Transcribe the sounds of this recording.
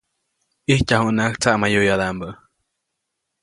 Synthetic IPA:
ihcahuʔnakt͡saʔmajojaðambəʔ

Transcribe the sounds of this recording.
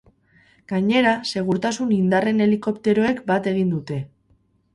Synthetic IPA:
ɡ̥aɲe̞ɾase̞ɣ̞uɾt̪asunind̪are̞ne̞liko̞pt̪e̞ɾo̞e̞kbat̪e̞ɣ̞ind̪ut̪e̞

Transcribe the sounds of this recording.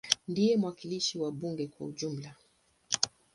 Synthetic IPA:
ndijɛmwakiliʃiwaɓuŋɡɛkwa̰uʄum̩la

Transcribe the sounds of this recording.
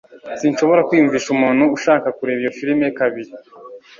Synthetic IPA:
sinʃo̞βo̞ɾakwiːjuɱviːʃumuːn̥huuʃaːkakuɾe̞ːβijofiɾimekaβiɾi

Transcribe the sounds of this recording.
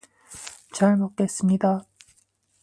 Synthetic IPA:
t͡ɕaɭmok̚k͈e̞s͈ɯmɲida

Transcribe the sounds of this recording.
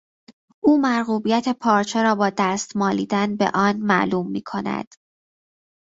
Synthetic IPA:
ʔuːmæɾɣuːbijæt̪ʰe̞pʰɒːɾt͡ʃʰeɾɒːbɒːd̪æːst̪mɒːlḭːd̪ænbḛʔɒːnmæ̰ʔluːmːiːkʰo̞næ̰d̪̥

